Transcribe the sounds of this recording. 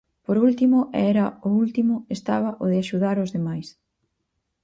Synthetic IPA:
poɾult̪imʊʔɛɾɐʊult̪imʊest̪aβ̞ɐʔoðɪaʃuðaɾʊzðemajs

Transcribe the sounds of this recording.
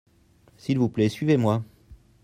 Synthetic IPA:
silvuplɛsɥivemwa

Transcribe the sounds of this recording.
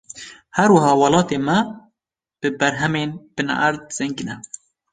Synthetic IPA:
hæɾwɐɦɑːwɑlɑːt̪eːmɛ | b̥ɨbɛɾɦɛmeːnb̥ɨnʔæ̰ɾd̪̚z̥ɛŋɡɨnɛ

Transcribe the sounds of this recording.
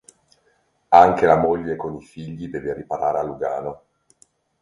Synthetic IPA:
aŋkelamoʎːekonifiʎːid̪ɛːveripaɾa̰ːɾealːuɡa̰ːno

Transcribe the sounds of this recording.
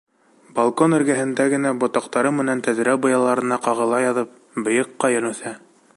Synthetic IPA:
balˠkonɵ̆ɾɡæɦɘ̆nd̪æɡɘ̆næbŏt̪ɑqt̪ɑɾɤmɘ̆nænt̪æðɾæbŏjɑlˠɑɾɤ̆nɑqɑʁɤ̆lˠɑjɑðɤp̚ | bɤ̆jɤqːɑjɘ̆ɾɘ̆wθæ

